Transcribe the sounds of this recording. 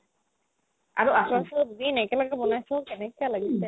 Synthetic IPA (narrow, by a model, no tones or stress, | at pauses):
a̰ɹuʔasasɔdudinɛkɛlakɛbɔnajsɔkɛnɛkalaɡiɛ